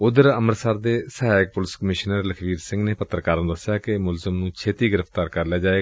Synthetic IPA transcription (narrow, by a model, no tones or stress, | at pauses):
ʊd̪əɾəməɾsaɾd̪eːsəɦaːjək̚pʊlɪskəmɪʃnəɾləkʰʋiːɾsɪ̃ŋɡneːpət̪ːɾkaːɾñːd̪əsːɪjaːkɪmʊlzəmnũːt͡ʃʰeːt̪iːɡɪɾəft̪aːɾkəɾlɛaːd͡ʒaːeː